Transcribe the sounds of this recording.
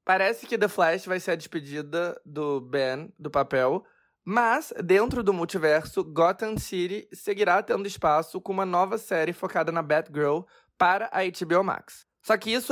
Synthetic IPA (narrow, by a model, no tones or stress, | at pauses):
paɾɛsɪ̥kɪd̪ɐflɛʃvajseɾɐd͡ʒɪspɪd͡ʒid̪ɐd̪ʊbẽnd̪ʊpapɛw | mɐzd̪ẽnt̪ɾʊd̪ʊmuwt͡ʃivɛɾsʊɡɔt̪ɐ̃nsiɾiseɡiɾat̪ẽnd̪ʊispasʊkõũmɐnɔvɐsɛɾɪfokad̪ɐnɐbɛt̪ɡɾew | paɾɐʔɐet͡ʃibioma̰ksː | ɔkɪisʊ